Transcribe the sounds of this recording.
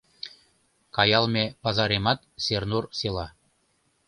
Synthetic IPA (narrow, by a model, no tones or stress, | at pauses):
kɑjɑlˠmʲepɑzɑɾemɑt̪̚sernurselɑ